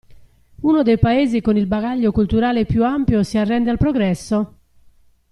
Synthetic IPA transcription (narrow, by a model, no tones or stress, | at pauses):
unod̪ejpaeːzikonilbaɣaʎːokult̪uɾaːlepːjuampjosiarːɛnd̪ealpɾoɡɾɛsːo